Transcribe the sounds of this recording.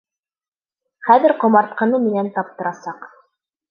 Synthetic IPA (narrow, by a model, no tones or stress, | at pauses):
χæðɘɾqŏmɑɾt̪̚qɤ̆nɤmɘ̆nænt̪ɑp̚t̪ɤ̆ɾɑsɑq